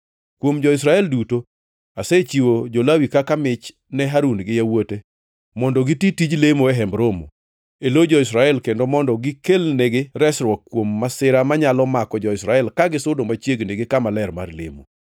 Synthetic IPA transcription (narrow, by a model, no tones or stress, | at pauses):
kwomd͡ʒɔɪs̬ɾaɛlduto | aset͡ʃiwod͡ʒolawikakamɪt͡ʃ | nɛɦaɾunɡɪjawote | mɔndɔɡɪtitid͡ʒlemoɛɦɛmbɾomo̰ | elod͡ʒɔɪsɾaɛlkendomɔndɔɡɪkelneɡeɾɛsɾwɔkːwomːasɪɾamaɲalɔmakɔd͡ʒɔɪsɾaɛlkaɡɪsʊdomat͡ʃjeɡneɡekamalɛɾma̰rlḛmo̰